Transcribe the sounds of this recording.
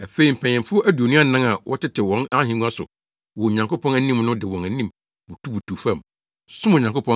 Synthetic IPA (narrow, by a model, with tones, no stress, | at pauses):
æ˨fe˦i˨m̩˨pʰɛ̃˨ɲɪ̃˨mfʊ˦ʔæ˦du˨o˨nũ˦a˦nã˦ŋa˨wʔɔ˦tɪ˦tʰɪ˨wɔ̃˨na˦ɦĩ˨˦ŋũ˦a˦sʊ̰˨ | wɔ˨ɲã˨ŋko˦pʰɔ̃˦næ˦nĩ˦mnʊ̃˦dɪ˨wɔ̃˨næ˨nĩ˦m | bu˨tʰu˦bu˨tʰu˨fã˦˨m | sʊ̃˦m˨ɲã˨ŋko˦pʰɔ̃˦